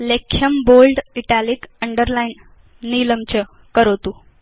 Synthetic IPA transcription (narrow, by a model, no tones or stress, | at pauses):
lekʰːjəmbolɖiʈaliːkəɳɖəɾlain | niləmt͡ɕə | kəɾot̪uː